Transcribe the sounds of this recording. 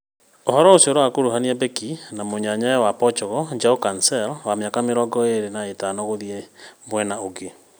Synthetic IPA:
ohɔɾɔosioɾɔwakoɾuɦaniabɛkinamoɲaɲajɛwapɔt͡ʃɔɣɔd͡ʒaukansɛlwameakameɾɔɡɔeɾenaetanɔɣoðiemwɛnaoɡe

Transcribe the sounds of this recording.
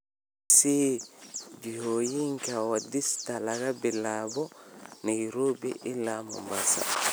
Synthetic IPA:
si | d͡ʒihoːjiŋkawadistalaɡabɛlaːbɔnɛjɾoːbɛ̰ʔilːamɔ̰mbasa̰

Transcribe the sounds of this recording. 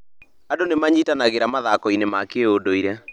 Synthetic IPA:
adonemaɲitanaɣeɾamaðakɔinemakeodoiɾɛ

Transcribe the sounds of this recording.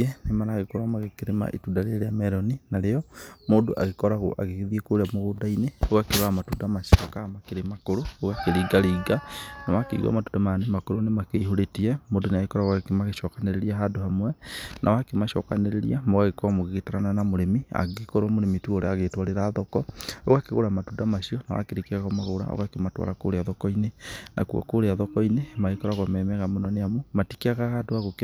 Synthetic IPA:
enemanaːɣekoɾwamaɣekeɾema̰ʔḛtuːdaɾeɾeamɛɾɔninaɾejɔmoːdoʔaɣekɔɾaɣo̰ʔa̰ɣeɣeðiekoɾeamoɣodaineoɣakeɾwamatuːdamaʃɔkamakeɾemakoɾooɣakeɾiːɡaɾiːɡanawakeiɣa̰matudamanemakoɾonemakeiɦoɾetiɛmoːdoneaɣekɔɾaɣwakemaɣeʃɔkaneɾeɾiaɦadohamwɛnʔa̰wakemaʃɔ̰ka̰neɾeɾḭamoɣaɣekwamoɣeɣetaɾananamoɾemia̰ɣekoɾwamoɾemituoɾɛaɣetwaɾeɾaːðɔkɔoɣakeɣo̰ɾamatudamaʃiɔnawa̰keɾikiaɣamaɣoɾa̰o̰ɣakematwa̰lako̰ɾeaðɔkɔinena̰kua̰koɾeaðɔkɔinemaɣekɔɾaɣwamɛmɛɣamonɔneamomatikiaɣahadoaɣok

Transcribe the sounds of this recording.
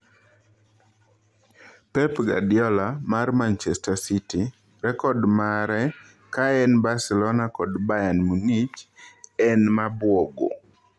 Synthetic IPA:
pɛpɡa̰djɔlamarmant͡ʃɛstasiti | ɾɛkɔdmaɾɛ | kaɛnbasɛlɔnakɔdbajanmunit͡ʃɛnmabwɔɡo̰

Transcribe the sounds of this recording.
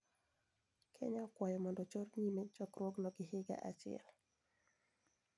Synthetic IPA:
kʰɛ̰ɲakwajɔmɔndɔt͡ʃɔɾɲimet͡ʃɔkɾwɔɡnɔɡɪɦɪɡa̰ʔat͡ʃɪɛ̰l

